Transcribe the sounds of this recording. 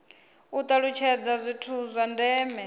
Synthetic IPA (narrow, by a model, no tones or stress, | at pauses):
ut̪ʼaɺut͡ʃʰɛd͡zazʷitʰuzʷandɛːmɛ